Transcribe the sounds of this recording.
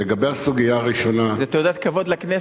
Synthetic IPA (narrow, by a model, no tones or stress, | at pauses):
eɡabejasuɡijaːʁiʃo̞nazet̪od̪at̪̚kavod̪lakne